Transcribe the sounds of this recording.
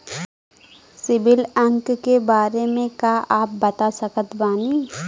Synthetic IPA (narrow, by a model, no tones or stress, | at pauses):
sɪbɪlə̃ŋkkebaːɾemẽkaʔaːp̚bɐt̪asəkət̪baːniː